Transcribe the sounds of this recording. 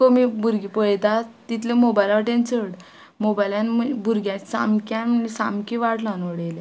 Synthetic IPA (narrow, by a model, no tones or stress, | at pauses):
komibʱuɾɡipəjt̪at̪it̪ʰlemobajlaʈẽnt͡səɽ | mobajlãnmbʱuɾɡjãsa̰mkanisamkiʋaʈlãnoɽela